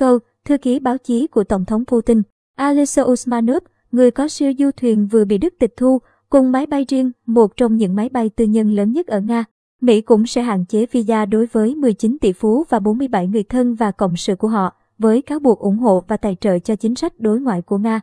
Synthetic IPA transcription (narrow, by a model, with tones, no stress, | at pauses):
kə˧w | t̪ʰɨ˧əki˨˦ɓaː˨˦wt͡ɕi˨˦ku˧˩ət̪ə˧˩wŋ͡mt̪ʰə˨˦wŋ͡mpu˧t̪i˧n | ʔaː˧li˦˧˥so˧ʔu˧smaː˧no˦˥p̚ | ŋɨ˨˩əjkɔ˨˦si˧əwzu˧t̪ʰwi˨˩ənvɨ˨˩əɓḭ˧˨ɗɨ˦˥k̚t̪ï˨˩k̚t̪ʰu˧ | kʊ˨˩ŋ͡mma˨˦jɓa˧jzi˧əŋmo˨˩t̚t͡ɕɔ˧wŋ͡mɲɨ̰˧˥ŋma˨˦jɓa˧jt̪ɨ˧ɲə˧nləː˨˦nɲə˦˥t̚ʔəː˧˩ŋaː˧ | mḭ˧˥kʊ̰˧˥ŋ͡msɛ̰˧˥ɦa̰ː˧˨nt͡ɕe˨˦vi˧zaː˧ɗo˨˦jvəː˨˦jmɨ˨˩əjt͡ɕï˨˦nt̪ḭ˧˩fu˨˦vaː˨˩ɓo˨˦nmɨ˧əjɓa˧˩jŋɨ˨˩əjt̪ʰə˧nvaː˨˩kə̰˧˨wŋ͡msɨ̰˧˨ku˧˩əɦɔ̰˧˨ | vəː˨˦jkaː˨˦wɓu˨˩k̚ʔʊ˧˩ŋ͡mɦo̰˧˨vaː˨˩t̪a̰ː˧˨jt͡ɕə̰ː˧˨jt͡ɕɔ˧t͡ɕï˨˦ŋ̟sa˦˥jk̟̚ɗo˨˦jŋwa̰ː˧˨jku˧˩əŋaː˧